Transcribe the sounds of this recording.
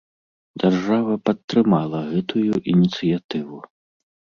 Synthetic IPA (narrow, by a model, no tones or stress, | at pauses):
d͡zʲarʐavɐpɐt̪ːɾɨmalˠɐɣɛt̪ʰujuʔinʲit̪sɨjat̪ɨvu